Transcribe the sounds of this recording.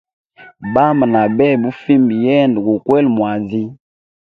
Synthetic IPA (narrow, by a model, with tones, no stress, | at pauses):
ba˦mba˨na˨bɛ˦˨bu˦fi˦mbjɛ˦ndɡu˨kwɛ˦lmwa˨zi˦